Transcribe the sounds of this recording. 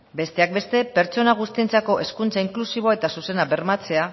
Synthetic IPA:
be̞st̪e̞ak̚be̞st̪e̞pe̞ɾt͡so̞naɣ̞ust̪ie̞nt͡sako̞ʔe̞skunt͡saiŋklusiβ̞o̞ae̞t̪asuse̞nabe̞ɾmat͡se̞a

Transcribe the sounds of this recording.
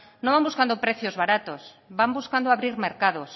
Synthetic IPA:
nõmbambuskand̪opɾeθjozβaɾat̪os | bambuskand̪oaβɾiɾmeɾkaðos

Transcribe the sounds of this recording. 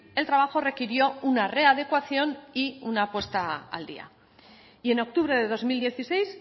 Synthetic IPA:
e̞lt̪ɾaβ̞axo̞re̞kiɾjo̞unare̞að̞e̞kwaθjo̞niunaːpwe̞st̪aa̰ld̪ḭa̰ | ie̞no̞k̚t̪uβɾe̞ðe̞ðo̞zmild̪jeθise̞js

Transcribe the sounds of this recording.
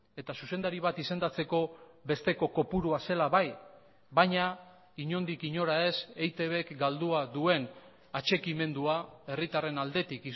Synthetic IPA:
e̞t̪asuse̞nd̪aɾiβat̪ise̞nd̪at͡se̞ko̞βe̞st̪e̞ko̞ko̞puɾuase̞laβaj | bajɲa | iɲo̞nd̪ikiɲo̞ɾae̞se̞jt̪e̞βe̞kɡald̪uaðue̞n | at͡ʃe̞kime̞nd̪uae̞rit̪are̞nald̪e̞t̪iki

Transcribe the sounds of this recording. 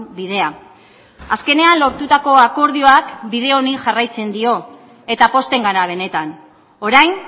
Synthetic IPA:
biðe̞a | aske̞ne̞anlo̞ɾt̪ut̪ako̞ako̞ɾðio̞akbið̞e̞o̞niʝarajt͡se̞nd̪io̞ | e̞t̪apo̞st̪e̞ŋɡaɾaβ̞e̞ne̞t̪an | o̞ɾajn

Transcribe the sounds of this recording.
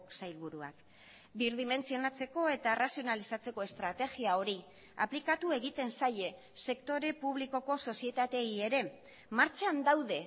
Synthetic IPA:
sajlβuɾua̰k | biɾðime̞nt͡sio̞nat͡se̞ko̞e̞t̪arasio̞nalisat͡se̞ko̞e̞st̪ɾat̪e̞ɣiao̞ɾi | a̰plikat̪ue̞ɣit̪e̞nsaje̞ | se̞kt̪o̞ɾe̞puβ̞liko̞ko̞so̞sie̞t̪at̪e̞ie̞ɾe̞ | maɾt͡ʃand̪awðe̞

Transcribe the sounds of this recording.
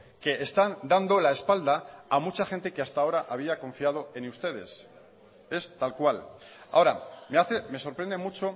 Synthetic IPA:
ke̞ːst̪and̪and̪o̞lae̞spald̪aːmut͡ʃaxe̞nt̪e̞keast̪ao̞ɾaʔaβ̞iako̞ɱfiað̞o̞e̞nust̪e̞ðe̞̰s | e̞st̪alkwal | a̰o̞ɾa̰meaθeme̞so̞ɾpɾe̞nd̪e̞mut͡ʃo̞

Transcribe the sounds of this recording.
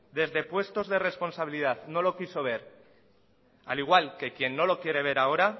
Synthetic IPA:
d̪e̞zðe̞pwe̞st̪o̞zðe̞re̞spo̞nsaβ̞iliðaðno̞lo̞kiso̞β̞e̞ɾ | a̰liɣ̞walke̞kje̞nːo̞lo̞kje̞ɾe̞β̞e̞ɾao̞ɾa

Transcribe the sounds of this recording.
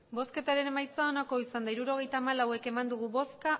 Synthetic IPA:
bo̞ske̞t̪aɾe̞ne̞majt͡sao̞nako̞isand̪aiɾuɾo̞ɣ̞e̞jt̪aːmalawe̞ke̞mand̪uɣ̞uβo̞ska

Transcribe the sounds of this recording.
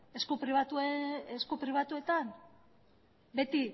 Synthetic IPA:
e̞skupɾiβat̪ueeskupɾiβ̞at̪ue̞t̪an | be̞t̪i

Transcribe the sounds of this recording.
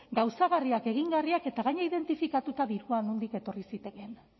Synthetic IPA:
ɡawsaɣariake̞ɣ̞iŋɡariake̞t̪aɣaɲaiðe̞nt̪ifikat̪ut̪aðiɾuanund̪ike̞t̪o̞risit̪e̞ke̞n

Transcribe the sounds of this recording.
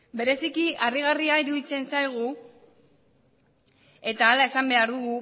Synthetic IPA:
be̞ɾe̞sikiʔariɣ̞ariaiɾuðit͡se̞nsajɣ̞u | e̞t̪aːlae̞sambe̞aɾðuɣu

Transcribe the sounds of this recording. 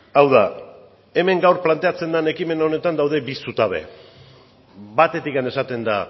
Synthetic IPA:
awða | e̞me̞ŋɡawɾplant̪e̞at͡se̞nd̪ane̞kime̞naone̞t̪and̪awðe̞bisut̪aβe̞̰ | βat̪e̞t̪ikane̞sat̪e̞nd̪a

